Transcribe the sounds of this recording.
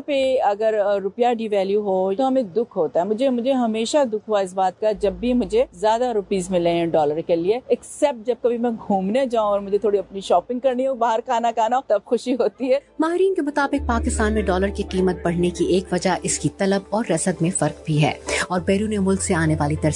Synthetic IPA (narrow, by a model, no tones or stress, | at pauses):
peɐɡəɾɾʊpjaɖiːʋɛːljuɦot̪oɦɐmẽd̪ʊkʰɦoːt̪aɦɛmʊd͡ʒʱemʊd͡ʒʱeɦɐmeːʃad̪ʊkʰɦuaɪs̬baːt̪̚kad͡ʒɐbːimʊd͡ʒʱezjaːd̪aɾʊpiːzmɪlẽɦɛ̃ɖɔːləɾkelieɛksɛp̚ʈ̚d͡ʒɐb̚kɐbʱimɛ̃ɡʱuːmned͡ʒaːũɔːɾmʊd͡ʒʱet̪ʰoːɽiɐpniʃɔːpɪ̃ŋɡkɐɾnioːɡbaːɦəɾkaːnakaːnaot̪ɐb̚xʊʃiɦoːt̪iɦɛːmaːɦɪɾiːnkemʊt̪aːbɪq̚paːkɪst̪aːnmẽɖɔːləɾkiqiːmət̪̚bɐɽ̤nekieːkʋɐd͡ʒaʔɪskit̪ɐləbɔːɾːɐsəd̪mẽfɐɾqbʱiɦɛ̰ːɔːɾbɛːɾuːnemʊlkseaːneʋaːlit̪ɐɾs